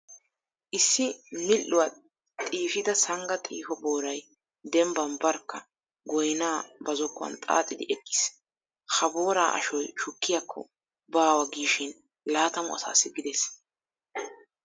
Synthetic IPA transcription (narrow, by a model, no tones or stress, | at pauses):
ʔɪsːɪmɪlːʊwɐ | t̪ʼiːfɪd̪ɐsɐŋɡɐt̪ʼḭːfɔboːɾɐj | d̪ɛmbɐnbɐɾkːɐ | ɡɔjnaːbɐzɔkːʊɐ̰nt̪ʼa̰ːt̪ʼːɪd̪ɪʔɛkʼːɪ̥s | hɐboːɾa̰ːʔɐ̰ʃɔjʃʊkːɪjɐkʰːɔ̰ | baːwɐɡiːʃɪn | laːt̪ɐmʊ̰ɐ̰sa̰ːsːɪɡɪd̪ɛs